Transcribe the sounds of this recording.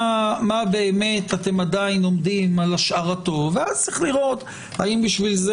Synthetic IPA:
mabe̞ːme̞tate̞madaino̞md̪imalaʃaʁato̞veazt͡siχliʁo̞t̪ | haimbiʃvilze

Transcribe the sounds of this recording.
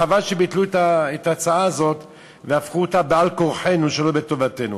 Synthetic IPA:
avalʃebit̪luetaetaːt͡saaːzo̞t̪ | veafχuotabealko̞ʁħe̞nuʃelo̞beto̞vate̞nu

